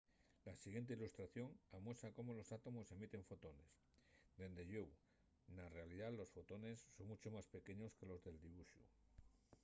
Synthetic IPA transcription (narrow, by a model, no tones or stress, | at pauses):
lasiɣjent̪eilust̪ɾaθjo̞ŋamwesako̞mo̞lo̞sat̪o̞mo̞se̞mit̪e̞ɱfo̞t̪o̞ne̞s | d̪e̞nd̪eʝuw | nare̞aliðalo̞sfo̞t̪o̞ne̞sːo̞ŋmut͡ʃo̞maspe̞ke̞ɲo̞ske̞lo̞zðe̞ld̪iβuʃṵ